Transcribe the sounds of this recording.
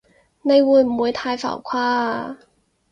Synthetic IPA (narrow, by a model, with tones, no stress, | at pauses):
ne˨˧jwu˨˧˥jm̩˨˩wuː˨˧˥jt̪ʰaː˧jfa̰˨˩wkʰwaː˥